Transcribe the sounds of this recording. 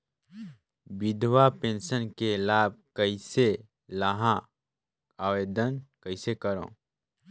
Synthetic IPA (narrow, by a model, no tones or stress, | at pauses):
bɪd̪ʱwapẽːnʃənkelaːb̚kəise | laɦã | aːweːd̪ənkəɪsekəɾõ̰ː